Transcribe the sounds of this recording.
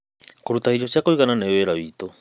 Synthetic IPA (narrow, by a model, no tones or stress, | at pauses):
koɾutaid͡ʒosjakoiɣananeweɾaβiːto